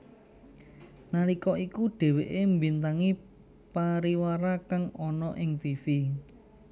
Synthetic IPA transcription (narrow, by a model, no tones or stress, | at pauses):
nalikɔʔikuɖ̥e̤weʔembint̪aŋi | paɾiwaɾakaŋɔnɔʔɪŋt̪ifi